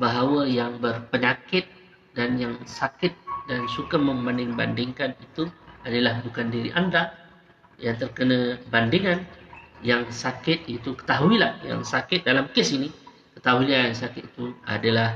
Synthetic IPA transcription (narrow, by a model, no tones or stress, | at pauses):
baɦawəjaŋbərpəɲakɪt̪̚ | danjaŋsakɪt̪̚dansukamə̃mbandɪŋba̰ndɪŋkanit̪uadalahbukandiɾḭʔanda | jaŋt̪ərkənə̃bandiŋanjaŋsakɪt̪̚it̪ukə̥t̪aɦuilahja̰ŋsakɪt̪̚dalamkesini | kə̥t̪aɦuilansakɪt̪̚i̥t̪ua̰dalah